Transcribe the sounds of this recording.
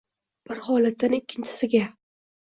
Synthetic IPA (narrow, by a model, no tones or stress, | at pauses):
b̥ɪɾhɒlat̪ːanɪkʲʰːɪnt͡ʃʰɪ̥sɪɡʲa